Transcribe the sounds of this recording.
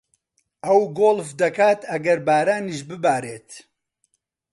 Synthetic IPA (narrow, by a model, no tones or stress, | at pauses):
ɐwɡoːlfd̪ɐkaːt̪ɐɡɐɾbaːɾaːniːʃbɨbaːɾeːt̪